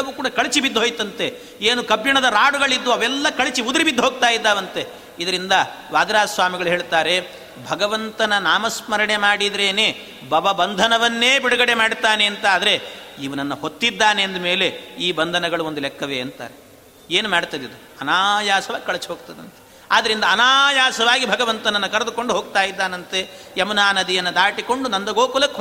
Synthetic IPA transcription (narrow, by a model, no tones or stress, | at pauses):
ɐʋuːkuːɽɐkɐɭit͡ʃibid̪ːɦoːjt̪ɐnt̪e | eːnukɐbjɐɳɐd̪ɐɾaːɽuɡɐɭid̪ːuɐʋɛlːɐkɐɭit͡ʃiud̪ɾibid̪ːuɦoːɡ̚t̪aːjid̪ːaːʋɐnt̪e | id̪ɐɾind̪ɐ | ʋaːd̪ɾaːsʋaːmiɡɐɭuɦe̞ːɭt̪aːɾe̞ | bʱɐɡɐʋɐnt̪ɐnɐnaːmɐsmɐɾɐɳemaːɽid̪ɾe̞ːneː | bɐʋɐbɐnd̪ʱɐnɐʋɐnːeːbiɽɐɡɐɽemaːɽt̪aːne̞ːnt̪ɐaːd̪ɐɾe̞iʋɐnɐnːɐhot̪ːid̪ːaːneɐnd̪ɐme̞ːle̞iːbɐnd̪ʱɐnɐɡɐɭuond̪ulɛkʰːɐʋeːɐnt̪a̰ːɾe | eːnumaːɽt̪ad̪id̪u | ɐnaːjaːsɐʋaːɡikɐɭɐt͡ʃɦoːɡ̚t̪ɐd̪ɐnt̪e̥ | aːd̪ɐɾind̪ɐːnaːjaːsɐʋaːɡibʱɐɡɐʋɐnt̪ɐnɐnːɐkɐɾɐd̪uko̞ɳɖuɦoːɡt̪aːjid̪ːaːnɐnt̪eɐmɐnaːnɐd̪ijɐnːɐd̪aːʈiko̞ɳɖunɐnd̪ɐɡoːkulɐk